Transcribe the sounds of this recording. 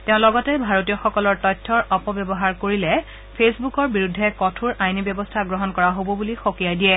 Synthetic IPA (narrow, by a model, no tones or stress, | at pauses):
teʊ̃lɔɡɔtɛbʱaɹotijɔxɔkɔlɔɹtɔjtʰːɔɹɔpɔbjɔbɔɦaɹkoɹilɛ | pʰesbukɔɹbiɹudʱːɛkɔtʰuɹajnibɔbɔstʰaɡɹɔɦɔnkɔɹaɦobɔbulixokijajdijɛ